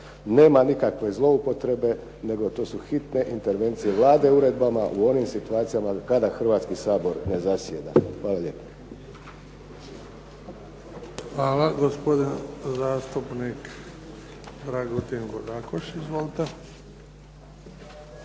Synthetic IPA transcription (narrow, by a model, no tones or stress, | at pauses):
ne̞ːmanikakʋe̞zlˠo̞upo̞t̪ɾe̞be̞ | ne̞ɡo̞t̪o̞ːsuxit̪ne̞ʔint̪e̞ɾʋe̞nt̪sijeʋlˠaːd̪e̞uɾe̞d̪bamaʔuo̞nimsit̪uaːt̪sijamakad̪axr̩ʋaːt̪skisaːbo̞ɾne̞zasjeːd̪a̰xʋaːlalʎe̞ːpḁ | xʋaːlaɡospod̪inzaːst̪upnik | d̪ɾaɡot̪inboɡakoʃizʋoːlit̪e